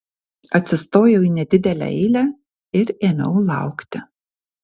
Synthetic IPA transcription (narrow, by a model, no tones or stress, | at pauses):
ɐt̪ʲsʲɪst̪oːjɛʊiːnʲɛd̪ʲɪd̪ʲɛlʲæ̰ɛɪlʲæː | ɪɾeːmʲɛ̰ʊlˠɑ̰ˑʊkt̪ʲɪ